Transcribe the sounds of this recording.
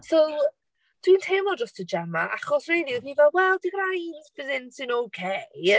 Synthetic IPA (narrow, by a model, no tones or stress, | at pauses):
sɛ | tʰwintʰeːmɔdɔstʰəd͡ʒɛmaʔaχɔsrejdiðivɛlˠwɛlˠdiɡrajdvɪðɪnsɨnowkʰe